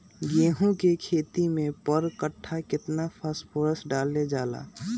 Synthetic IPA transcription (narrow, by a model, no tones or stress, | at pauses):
ɡeːɦũkekʰeːt̪imẽpəɾkəʈʰːakɪt̪napʰəspʰoːɾəsɖaːlːed͡ʒaːla̰ː